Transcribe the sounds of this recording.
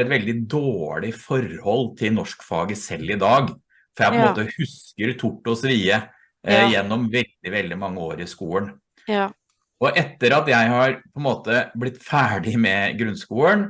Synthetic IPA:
ɛt̪ʋɛld̪ɪd̪oːɭɪfɔɾhɔlːt̪ʰɪlnɔʂkfɑːɡəsɛlːɪd̪ɑːɡ | fɔɾjæɪpɔɛnmoːt̪əhʉskəɾt̪ʰʊʈːɔsʋiːə | jɛnːɔmʋɛld̪ɪʋɛld̪ɪmɑŋːəoːɾɪskuːən | ɔʔɛt̪ːəɾɑt̪jæɪhɑɾpʰɔɛnmoːt̪əblɪt̪ːfæːɖɪmɛɡɾʉnskuːən

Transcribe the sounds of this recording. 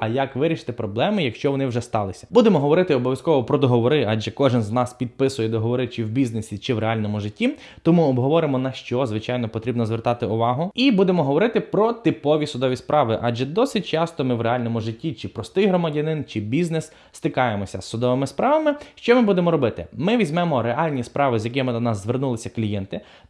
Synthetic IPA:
ɐjɐkʋɪɾʲiʃɪ̥t̪ɪpɾɔblˠɛmɪjɐkʃt͡ʃɔʋɔnɪwʒɛst̪ɑlˠɪsʲɐ̥b̥ud̪emɔɦɔʋɔɾɪt̪ɪɔbɔʋʲjɐskɔʋɔpɾɔd̪ɔɦɔʋɔɾɪad͡ʒɛkɔʒɪnznɑspʲid̪̚pɪsʊjɛd̪ɔɦɔʋɔɾɪt͡ʃɪwbʲiznesʲit͡ʃɪwɾeɑlʲnɔmʊʒɪtʲːi | t̪ɔmuɔbɦɔʋɔɾɪmɔnɐʃt͡ʃɔzʋɪt͡ʃɑjnɔpɔt̪ɾʲibnɔzʋert̪ɑt̪ɪʊʋɑɦʊibud̪emɔɦɔʋɔɾɪt̪ɪpɾɔt̪ɪpɔʋʲisʊd̪ɔʋʲispɾʔɑʋɪʔɑʒɛd̪ɔsɪt̚ʲt͡ʃɑst̪ɔmɪʋɾeɑlʲnɔmʊʒɪtʲːit͡ʃɪpɾɔst̪ɪjɦɾɔmɐdʲɐnɪnt͡ʃɪbʲiznɛs | st̪ɪkɑjemɔsʲɐ̰sːʊd̪ɔʋɪmɪspɾɑʋɐmɪʃt͡ʃɔmɪbud̪emɔɾɔbɪt̪ɪ̰mɪʋʲizʲmɛmɔɾeɑlʲnʲispɾʔɑʋɪzʲjɐkʲɪmɪd̪ɔnɑsːʋernulˠɪsʲɐklʲijɛnt̪ɪ

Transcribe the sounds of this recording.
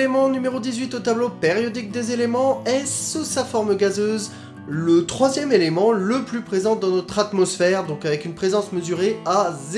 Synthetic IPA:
emɑ̃nymeʁod̪izɥit̪ot̪ablopeʁjɔd̪ik̚d̪ezelemɑ̃ɛsusafɔʁmɡazøz | lət̪χwazjɛmelemɑ̃ləplypχezɑ̃d̪ɑ̃nɔt̪χat̪mɔsfɛʁd̪ɔ̃kavɛkynpχezɑ̃sməzyʁeaz

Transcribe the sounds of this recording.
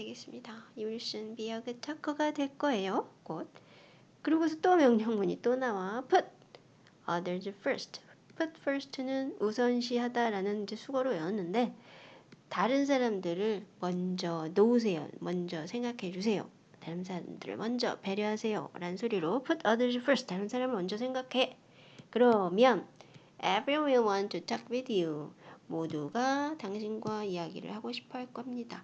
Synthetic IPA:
dweɡe̞s͈ɯmɲidaiuɭɕ͈ɯnpijʌɡɯt͡ɕʰakʰʌɡadwe̞ɭk͈ʌe̞jokot̚ | kɯɾiɡos̬ʰʌt͈omjʌŋɲʌŋmuɲit͈onawapʰɯt̚ | ʌdɯɭd͡ʑɯpʰʌɭstʰpʰut̚pʰʌɾsʰɯ̥tʰɯnɯnusʰʌnɕ̬ʰihadaɾanɯnid͡ʑesʰuɡʌɾojʌʌnːɯnde̞ | taɾɯns̬ʰaɾamdɯɾɯɭmʌnd͡ʑʌnous̬ʰe̞jo̰mʌnd͡ʑʌsʰe̞ŋɡakʰe̞d͡ʑusʰe̞jo̰ | taɾɯnsʰaɾamdɯɾɯ̰ɭmʌnd͡ʑʌpe̞ɾjʌɦasʰe̞jo̰ɾanɯnsʰoɾiɾopʰutʰʌdɯd͡ʑɯpʰɯɭstaɾɯnsʰaɾamɯɭmʌnd͡ʑʌsʰe̞ŋɡakʰe̞ | kɯɾʌmjʌn | ebɾiwemʌnt͡ɕot͡ɕʰak̚pidiomoduɡataŋɕʰinɡwaijaɡḭɾɯ̰ɭhaɡoɕʰi̥pʰʌɭk͈ʌmɲida

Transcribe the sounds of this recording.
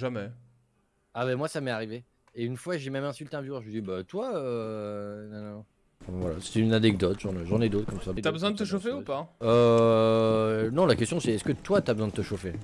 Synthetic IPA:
ʒamɛ | abamwasamɛaʁive | eynfwaʒemɛmɛ̃sylt̪eɛ̃vyɛʁʒed̪ibat̪waø | nɔ̃nɔ̃nɔ̃ | fɛ̃vwalase̥t̪ɛynanɛɡ̚d̪ɔt̪ʒɑ̃nɛʒɑ̃nɛd̪ot̪χkɔmsayabəzwɛ̃d̪ət̪əʃofeupaø | nɔ̃lakʲɛst̪jɔ̃sɛɛskət̪wat̪yabəzwɛ̃d̪ət̪əʃofe

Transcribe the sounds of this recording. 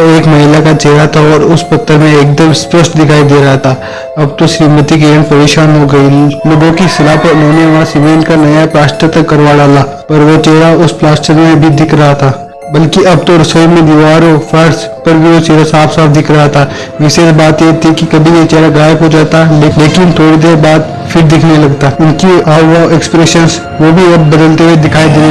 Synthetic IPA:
eːkmɐɦɪːlakat͡ʃeːɾat̪ʰaɔːɾʊspɐt̪ʰːəɾmẽeːk̚d̪əmspəsʈd̪ɪkʰaːid̪eːɾɐɦat̪ʰaː | ɐb̚t̪oʃɾiːmət̪ikeənpɐɾeːʃaːnɦoɡɐiloːɡõkisɪlaːpɐɾʊnɦõːneʋãsimẽːɳʈkanɐjaplaːsʈət̪ɐkːɐɾʋaːɖaːlaː | pɐɾʋot͡ʃeːɾaʊsplaːsʈəɾmẽbʱɪid̪ɪkʰɾɐɦat̪ʰaː | bɐlkiɐb̚t̪oɾɐsoːmẽd̪iʋaːɾofʰɐɾspɐɾbʱiosiːɾasaːpsaːbʰd̪ɪkʰɾɐɦat̪ʰa | ʋɪːsebaːt̪jet̪ʰikikɐbʱijet͡ʃeːɾaɡaːkod͡ʒaːt̪aleleːkɪnt̪ʰoːɽid̪eːɾbaːd̪ | fʰɪɾd̪ɪkʰnelɐɡt̪aʊnkiaːʋoɛkspɾeʃəns | ʋoːbʱiɐbːɐd̪əlt̪ewed̪ɪkʰaːid̪eː

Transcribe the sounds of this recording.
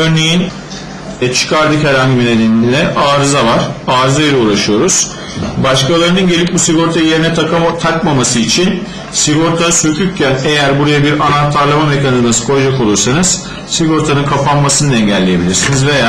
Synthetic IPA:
øɾne̞jin | t͡ʃʰɯ̥kʰaɾd̪ɯkhæɾhaɲɟibined̪ʲenilʲɛʔaːɾɯzavaɾ̥aːɾɯzajiɾɛuːɾaʃɯjo̞ɾuz̥ | baʃkalˠaɾɯnɯnɟe̞lʲip̚busiɡo̞ɾt̪ʰaje̞ɾinɛt̪ʰakmamasɯit͡ʃʰin | siɡo̞ɾt̪ʰasøcʰʲyɾcʰænejæɾbuɾajabiɾanat̪ʰːaɾlˠamame̞cʰanizmasɯ̥kʰo̞ɾd͡ʒako̞lˠuɾsanɯz̥ | siɡo̞ɾt̪ʰanɯnkʰapʰanmasɯnɯd̪ɛɲɟælʲːeje̞bilʲiɾsinizve̞jaː

